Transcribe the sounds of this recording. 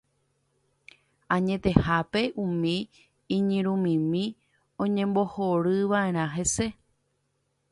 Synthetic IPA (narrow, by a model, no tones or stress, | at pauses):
ãɲẽt̪e̞hape̞ʔumĩ | ĩɲĩɾ̃ũmĩmĩ | õɲẽ̞mbo̞hoɾɨʋae̞ɾ̃ãɦe̞se̞